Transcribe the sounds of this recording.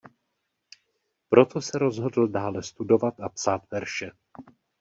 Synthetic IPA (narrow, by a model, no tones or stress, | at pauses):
pɾo̞t̪o̞sɛɾo̞zɦo̞dl̩daːlɛst̪udo̞vat̪apsaːt̪vɛɾʃɛ